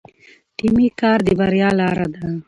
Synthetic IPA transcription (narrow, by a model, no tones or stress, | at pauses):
ʈimikɑːɾd̪əbaɾjɑːlɑːɾad̪a